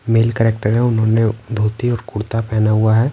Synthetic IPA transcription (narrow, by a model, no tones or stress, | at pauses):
meːlkɛːɾeːk̚ʈəɾɦɛ̃ʊnɦõːned̪ʱoːt̪iɔːɾkʊɽt̪apɛːnaɦuaɦɛː